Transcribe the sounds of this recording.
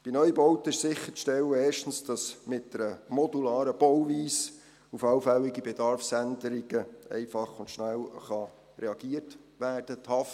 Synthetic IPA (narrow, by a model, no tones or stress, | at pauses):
b̥inœjbɔʊtɪʃsɪχːəʃtɛwəeːʃtn̩sd̥ɑsmɪt̚dəɾəmɔdulɑːɾəb̥ɔwviːs | ufɑwfæwɪɡibed̥ɑɾfsændəɾiɡ̥əɛ̰ɪfɑχʊntʃnælχɑ | ɾeɑɡ̥iətʋæːrd̥əthɑft